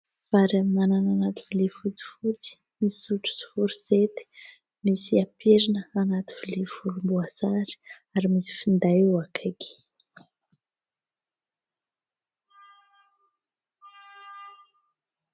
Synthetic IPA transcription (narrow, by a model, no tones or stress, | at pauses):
faɾamnanananat̪i̥vilefut͡si̥fut͡si̥ | miisuʈ͡ʂu̥si̥fuɾiset̪i̥ | misiapeɾinəanat̪i̥vilefuɾumbuasaɾi̥ | aɾimisi̥find̪ajewakʰaki̥